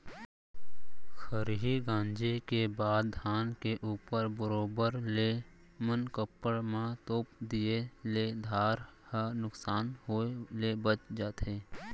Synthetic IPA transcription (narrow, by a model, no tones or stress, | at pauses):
xʰəɾɦiɡãːnd͡ʒekebaːd̪̚ʱaːnkeʔuːpəɾbəɾoːbəɾle | mənkəpːəɽmãt̪oːpd̪ijeled̪ʱaːɾhənʊksaːnɦoelebət͡ʃd͡ʒaːt̪ɦeː